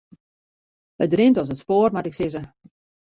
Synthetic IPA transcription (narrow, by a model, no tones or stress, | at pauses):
ədrɪntɔsətspoːərmatɪksɪzə